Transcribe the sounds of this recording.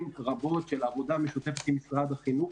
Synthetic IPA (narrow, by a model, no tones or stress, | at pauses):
mʁabo̞t̪ʃelaːvo̞d̪ameʃut̪e̞fet̪mimisʁad̪aχinu